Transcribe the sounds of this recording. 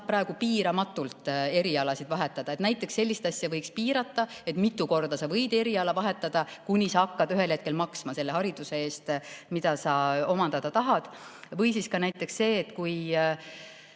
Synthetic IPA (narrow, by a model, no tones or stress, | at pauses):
pːɾɑeɡ̥upiːɾɑmɑt̪ːˑult̪ˑe̞ɾiɑlɑsid̪vɑɦe̞t̪ːˑɑd̪̥ɑet̪næjt̪ːˑe̞kse̞lʲːist̪ɑsjɑvɤjkspiːɾɑt̪ˑːɑe̞t̪mit̪ːˑuko̞rd̪̥ɑsɑvɤjd̪e̞ɾiɑlɑvɑɦe̞t̪ːˑɑd̪̥ɑkunʲisɑɑkːɑd̪̥yɦe̞lhe̞t̪̚ke̞lmɑksmɑse̞lːe̞ɦɑɾid̪̥use̞e̞ːst̪mid̪̥ɑsɑo̞mɑnd̪̥ɑd̪̥ɑt̪ɑɦɑd̪̥vɤjsiskɑnæjt̪ːˑe̞ksse̞ːt̪kuj